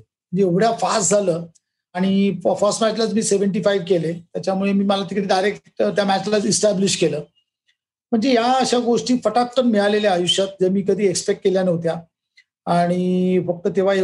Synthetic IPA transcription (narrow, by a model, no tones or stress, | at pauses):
m̤əɳd͡ʑeeʋɽjafasd͡zʱaləː | aɽ̃ifəsʈmæt͡ɕlat͡smiːseʋəɳʈ̬ifaiʋkelet̪jat͡ɕjamuɭemiːməlat̪ikɽeːdajɾekʈt̪jamæt͡ɕlat͡sisʈæbliɕkeləː | m̤əɳd͡zejaəɕaɡoʂʈiːfəʈat̪̚pənmeɭaleleajuɕjət̪̚d͡zeɾmiːkəd̪ʱiːekspek̚ʈ̚keljanəʋt̪̬ja | aɽ̃ifək̚t̪əːt̪eʋ̤a